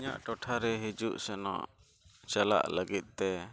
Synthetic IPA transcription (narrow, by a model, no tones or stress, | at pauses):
ɲa̰ʔʈɔʈʰaɾɛɦid͡ʒuʔsɛnɔ̰ʔ | t͡ʃala̰ʔləɡit̪̚ˀt̪ɛ